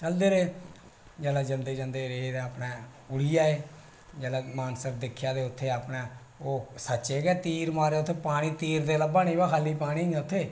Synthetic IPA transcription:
t͡ʃəld̪eːɾeː | d͡ʒɛːlaːd͡ʒənd̪eːd͡ʒənd̪eːɾeːd̪ẽːapnãː | ʊɽijaːeː | d͡ʒɛːlaːmaːnsəkd̪ɪkʰːjaːd̪eːʊt̪ʰːeːaːpneː | oːsətːt͡ʃeːɡɛːt̪iːɾmaːɾeːʊt̪ʰːeːpaːɽ̃iːt̪iːɾd̪eːləbaːnĩːbaːkʰaːlːiːpaːɽ̃iːñːʊt̪ʰːeː

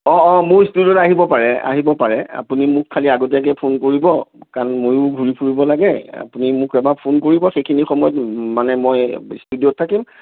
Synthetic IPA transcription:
ɔ̃mʊɹstudiotaɦibɔpaɹɛa̰ɦibɔpaɹɛa̰punimʊkkʰːaliaɡot̬ɛk̬ɛpʰonkoɹibɔkanmojʊbʱuɹipʰuɹibɔlaɡɛa̰punimʊkɛbapʰonkoɹibɔxekʰinixɔmɔjɔtmanɛmɔjstudiot̚tʰːakim

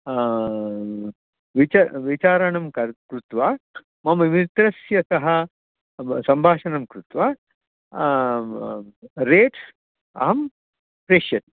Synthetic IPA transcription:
ʋit͡ʃɐʋit͡ʃaːɾɐɳɐmkɐkɾut̪ʋaː | mɐmɐimit̪ɾɐsjɐsɐɦɐ̆ | sɐmbʱaːʃɐnɐmkɾut̪ʋaː | ɾeːʈ | ɐ̰ɦɐm | pɾeːʃjɐt̪

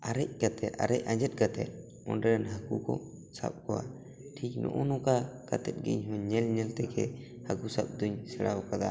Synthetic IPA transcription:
aɾɛc̚ɡat̪ʰɛt̪a̰ɾɛc̚aɲd͡ʒɛt̪̚ˀɡat̪ɛ̰t̪̚ | ɔ̰nɖɛɾnɦaɡukɔ̰ | sa̰p̚kɔwa̰ | ʈʰik̚nɔ̰ʔɔnɔkakat̪ɛt̪̚ɡḭɲɦɔɲɲɛlɲɛlt̪ɛɡɛ | hakusap̚d̪uɲsɛɽʔaɔkad̪a

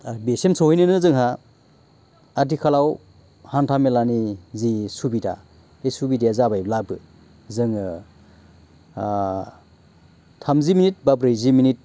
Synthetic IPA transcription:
besemsʰohijnɯnɯzɯŋɦa | adikʰalaw | hantʰamelanizisubida̰ | esubidijazabajblabɯ | zɯŋɯ | tʰamziminit̚babɾejziminit̚

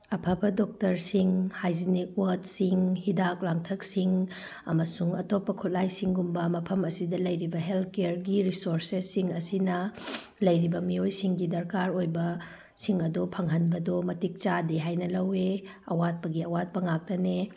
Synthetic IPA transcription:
ɐpʰɐpʰɐdok̚tɐɾsiŋhajzinik̚wot̚siŋhidak̚laŋtʰɐk̚siŋ | ɐmɐsuŋɐtopːɐkʰut̚lajsiŋɡumbɐmɐpʰɐmɐsidɐlɐjɾibɐɦelt̪̚ʰkeɾɡiɾisoɾsesːiŋɐsinɐ | lɐjɾibɐmiojsiŋɡidɐɾkaɾojbɐ | siŋɐdopʰɐŋɦɐnbɐdomɐtik̚t͡ʃadeɦajnɐlɐwe | ɐwat̚pɐɡiɐwat̚pɐŋak̚tɐne

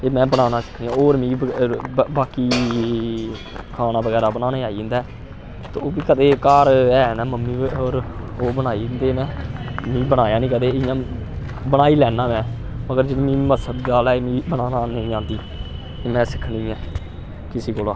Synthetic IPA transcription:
eːmɛ̃ːbəɽaːnaːsɪ̥kʰniːãːoːɾmĩːəbaːkiː | kʰaːnaːbəɡɛːɾaːbənaːnaaːiːɪnd̪aː | t̪oːbiːkəd̪eːkaːɾɛːnaːməmːĩːoːɾoːbənaːiːnd̪eːmɛ̃ːmĩːbəɽ̃aːjaːnĩːkəd̪eːɪ̃jãː | bəɽaːiːlɛːnãːmɛ̃ː | məɡəɾd͡ʒeniːmĩːməsəd̪ɡaːlɛmĩːbənaːnaːnəĩːãːnd̪iː | eːmɛ̃ːsɪ̥kʰɳĩːɛː | kɪsiːkoːlãː

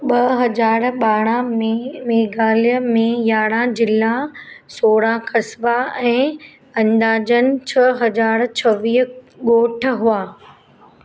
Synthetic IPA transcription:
ɓɐɦɐd͡ʑaːɾɓaːɽ̃ãmmeːɡaːlijəmẽjaːɽ̃ãd͡ʑɪlasoːɽãkʰɐsʋaɛ̃ː | ɐ̃nd̪aːd͡ʑənɪ̆t͡ɕʰɐɦɐd͡ʑaːɾt͡ɕʰɐʋiːɦɠoːʈʰɦuaː

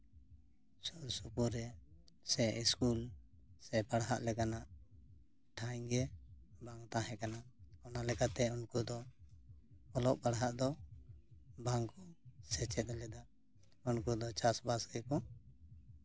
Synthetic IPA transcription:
sɔɾsupuɾɛ | sɛʔiskul | sɛpaɽɦa̰ʔlɛkanaʔ | ʈʰajɡɛbaŋt̪ãɦɛ̃kanaɔnalɛkat̪ɛunkud̪ɔ | ɔlɔʔbaɽɦaʔd̪ɔ | baŋkɔsɛt͡ʃɛt̪̚ɛlɛd̪a | unkud̪ɔt͡ʃasbasɡɛkɔ

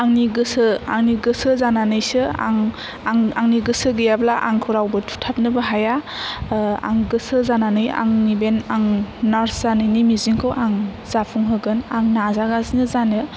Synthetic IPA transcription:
aŋniɡɯsɯaŋniɡɯsɯzananɯjsɯa̰ŋ | aŋaŋniɡɯsɯɡɯjablaʔa̰ŋkʰuɾawbɯtʰu̥tʰap̚nɯbɯɦaja | a̰ŋɡɯsɯzananɯja̰ŋnibenaŋnaɾszanɯjnimiziŋkʰɯwʔaŋz̥apʰuŋɦɯɡɯnaŋnazaɡazinɯzanɯ

